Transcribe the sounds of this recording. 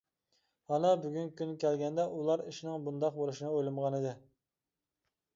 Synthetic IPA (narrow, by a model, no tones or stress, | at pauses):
hɑnɑbyɡʲynkʲynkʲʰælɡʲɛnd̪ɛʔulˠɑɾiʃinɪŋbund̪ɑq̚bolˠuʃinɨojlˠɨmʁɑnɨd̪ɨ